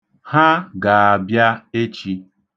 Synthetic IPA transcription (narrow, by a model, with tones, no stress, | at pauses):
ha˦ɡa˨a˨bja˦e˦t͡ʃi˦